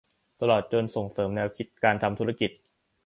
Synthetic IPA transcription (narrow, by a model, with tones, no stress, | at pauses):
t̪a˧lɔː˨˩t̪̚t͡ɕo˧nso˨˩ŋsɤː˩˦mnɛː˧wkʰi˦˥t̪̚kaː˧nt̪ʰa˧mt̪ʰu˦˥ɾa˧˥ki˨˩t̪̚